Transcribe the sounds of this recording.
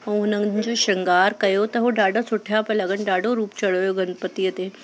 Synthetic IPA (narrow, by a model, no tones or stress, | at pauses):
õʊnə̃d͡ʒoʃɐŋɡaːɾkɐjot̪ɐɦoɖaːɖasʊʈʰjaːpɐlɐɡənɖaːɖoɾuːpt͡ʃɐɽoːjoɡɐn̚pət̪ijət̪e